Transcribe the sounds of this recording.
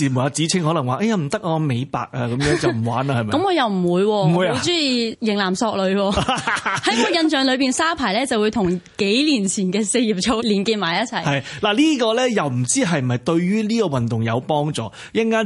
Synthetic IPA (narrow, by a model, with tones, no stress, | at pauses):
iː˨˩mu˨˩aː˨˧t͡siː˨˥t͡sʰɪ˥ŋhɔː˨˥lɐ˨˩ŋwaː˨ʔɐ˥˧ja˧m̩˨˩t̪ɐ˥k̚ŋɔː˧me˨˧jpa̰ː˨k̚aː˧kɐ˨mjœː˨˥ŋt͡sɐ˨m̩˨˩waː˨˥na˧hɐ˨jmɐ˩kɐ˨˥mkɔː˨˧jɐ˨wm̩˨˩wuː˨˧jwɔː˧m˨wuː˨˧ja˨˧t͡syː˥ji˨jɪ˨˩ŋlaː˨˩msɔː˧k̚lɵ˨˧ɥwɔː˧hɐ˨˥jɔː˧jɐ˧nt͡ʃœː˧ŋlɵ˨˧ɥpiː˨nsaː˥pʰaː˨˩jlɛː˥t͡sɐ˨wu˨˧jt̪ʰʊ˨˩ŋke˨˥jliː˨˩nt͡sʰiː˨˩nkɛː˧se˧jjiː˨˩p̚t͡sʰo˨˧wliː˨˩nkiː˧n̚maː˨˩jɐ˥t̚t͡sʰɐ˨˩jɐ˨jlaː˨˩liː˥kɔː˧lɛː˥jɐ˨wm̩˨˩t͡siː˥ɦɐ˨j̩˨ɐ˨jt̪ɵ˧ɥɥyː˥liː˥kɔː˧wɐ˨nt̪ʊ˨ŋjɐ˨˧wpɔː˥ŋt͡sɔ̰ː˨˩ | jɐ˥nkaː˥